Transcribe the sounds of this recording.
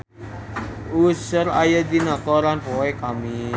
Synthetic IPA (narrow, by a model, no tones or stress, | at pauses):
usʊɾajad̪inakɔlanpoekami